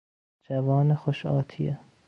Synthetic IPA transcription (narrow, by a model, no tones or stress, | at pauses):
d͡ʒævɒːnexoʃɒːt̪ʰije